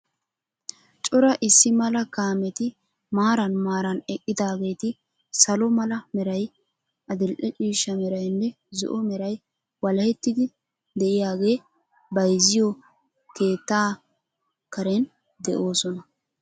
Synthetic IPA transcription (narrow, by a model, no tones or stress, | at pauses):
t͡ʃʼɔɾɐʔɪsːɪmɐlɐkaːmɛt̪ɪ | maːɾɐnmaːɾɐnɛkʼːɪd̪aːɡe̞ːt̪ɪ | sɐlɔmɐlɐmɛɾɐj | ɐd̪ɪlʔɛt͡ʃʼiːʃːɐmɛɾɐjnːɛ | zɔ̰ʔɔmɛɾɐj | wɐlɐhɛt̪ːɪd̪ɪ | d̪ɛʔɪjaːɡe̞ː | bɐjzɪjɔ | keːt̪ːaː | kɐɾɛn | d̪ɛʔo̞ːsɔnɐ